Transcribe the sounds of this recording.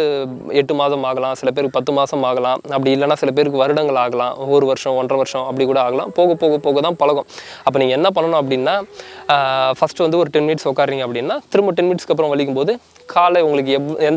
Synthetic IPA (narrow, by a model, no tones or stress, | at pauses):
ɯɛʈːɯmaːsɐmaːɣɐlãːsɪlɐp̬eːɾɯkːɯpɐt̪ːɯmaːsɐmaːɣɐlãːɐp̬ːɐɽɪɪlːɐnːaːsɪlɐp̬eːɾɯkːɯʋɐɾɯɽɐŋɡɐɭaːɣɐlã̰ːɔɾɯʋɐɾʂɐ̃ɔndrɐʋɐɾɪʂɐ̃ɐpːɐɽɪkːuːɽɐaːɣɐlã̰ːpoːɣɐpːoːɣɐpoːɣɐt̪ãːpɐlɐɣɔ̃ | ɐpːoːniːŋɡɐɛnːɐp̬ɐɳːɐnʊ̃ɐp̬ːɐɽɪnːaː | fɐsʈɯʋɐnd̪ɯɔɾɯʈɛnmɪniːʈsɔkːaːɾɾiːŋɡɐpːɽɪnːaːt̪ɪɾɯmbɯʈ̬ɛnmɪiʈskɐp̬ːɾɐ̃ʋɐɭɪk̬ːɯmpoːðɯ | kʰaːlɐʊŋɡɐɭɯkːɯɛɛnd̪